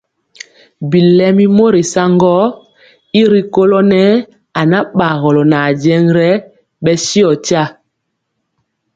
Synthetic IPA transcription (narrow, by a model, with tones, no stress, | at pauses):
bi˨lɛ˦mi˦mo˦ɾi˨sa˦ŋɡɔ˦ | i˦ɾi˦ko˦lɔ˦nɛ˦ | a˨na˦ɓa˨ɣɔ˨lɔ˨na˨d͡ʒɛ˦ŋɾɛ˦ | ɓɛ˦si˦ɔ˨ta˦